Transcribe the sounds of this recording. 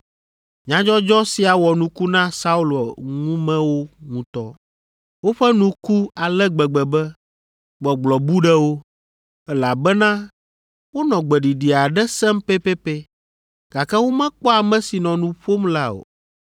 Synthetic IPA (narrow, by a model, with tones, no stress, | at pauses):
ɲã˦d͡ʒɔ˦d͡ʒɔ˦si˨a˨wɔ˨nũ˨˦ku˦nã˦sa˦u˦lo˨ŋũ˦mɛ̃˦wo˦ŋũ˦t̪ɔ˦ | wo˦ɸɛ˦nũ˨ku˦a˨lɛ˦ɡ͡bɛ˨ɡ͡bɛ˨bɛ˦ | ɡ͡bɔ˨ɡ͡blɔ˨bu˦ɖɛ˦wo˦ | ɛ˦la˨bɛ˦nã˦ | wo˦nɔ̃˨ɡ͡bɛ˨ɖi˨ɖi˨a˨ɖɛ˦sɛ˦mpe˦pe˦pɛ˦ | ɡ̥a˨kɛ˦wo˦mɛ̃˦k͡pɔ˦a˨mɛ̃˦si˨nɔ̃˨nũ˨ɸo˦mla˦o̰˨